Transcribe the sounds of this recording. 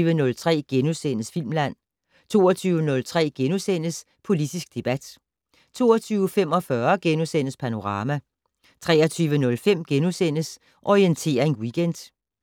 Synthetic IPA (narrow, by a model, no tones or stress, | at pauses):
ʋənɔ̽lt͡sʰʁɛ̰ːɡ̥enusen̰əsfil̰mlæn̰ | t͡sʰo̝ːɐt͡sʰyːʊənɔ̽lt͡sʰʁɛ̰ːɡ̥enusen̰əs | pʰo̝lid̥isɡ̥̚d̥e̝b̥æd̥ | t͡sʰo̝̰ːɐt͡sʰyːʊəfem̰ɒ̽fɶɐɡ̥enusen̰əspʰæno̝ʁɑ̈ːmæ | t͡sʰʁɛːɐt͡sʰyːʋənɔ̽lfem̰ɡ̥enusen̰əs | ʔɒient͡sʰe̝̰ːɐe̝nwiɡ̥end̥